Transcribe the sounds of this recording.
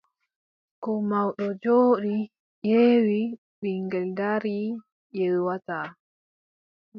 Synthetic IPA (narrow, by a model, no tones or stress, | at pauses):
kɔmawɗɔd͡ʒoːɗi | jeːwi | ɓiŋɡɛldaɾi | jɛlwata